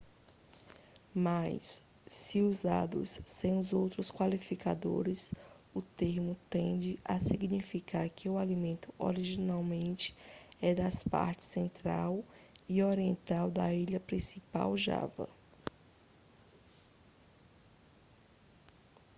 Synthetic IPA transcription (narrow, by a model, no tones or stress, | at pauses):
majsː | ɪuzd̪a̰d̪ʊ̰sːẽj̃ʊzowt̪ɾʊskwalifika̰d̪o̰ɾɪs | ʊt̪eɾmʊt̪ẽnd͡ʒɪʔasiɡnifikaɾkʰɪʊalimẽnt̪ʊ̥o̰ɾiʒinawmẽnt͡ʃɪ̥ɛd̪ɐspa̰ɾt͡ʃɪ̥sẽnt̪ɾa̰wioɾiẽnt̪awd̪ɐiʎɐpɾĩsipa̰wʒa̰vɐ̰